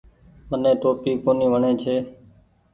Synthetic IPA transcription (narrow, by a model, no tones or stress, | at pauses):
mənẽːʈoːpiːkoːniːʋəɳẽːt͡ʃʰeː